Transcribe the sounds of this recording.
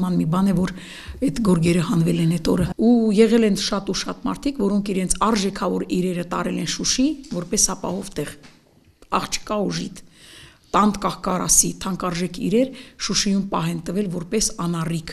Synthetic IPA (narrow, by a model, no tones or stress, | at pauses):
mɑnmibɑnɛvɔɾ | ɛt̪ɡɔɾɡɛɾəhɑnvɛlɛnɛt̪ɔɾəujɛʁɛlɛnʃɑt̪uʃɑt̪mɑ̰ɾt̪ʰikvɔɾɔŋkʰiɾɛnt͡sʰɑɾʒɛkʰɑvɔɾiɾɛɾət̪ɑ̰ɾɛlɛnʃuʃivɔɾpɛsɑpɑ̰hɔvt̪ɛʁ | ɑχt͡ʃʰə̥kɑuʒit̪ʰt̪ɑnd̪kɑhkɑrɑ̰sit̪ʰɑŋkɑɾʒɛkʰḭɾɛɾʃuʃijumpɑɦɛnt̪əvɛlvɔɾpɛsɑnɑrikʰ